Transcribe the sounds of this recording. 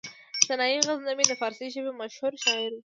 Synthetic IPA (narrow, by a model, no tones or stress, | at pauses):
sanɑjiɣaznamed̪əfɑɾsiʒəbemaʃhuɾʃɑɪɾd̪e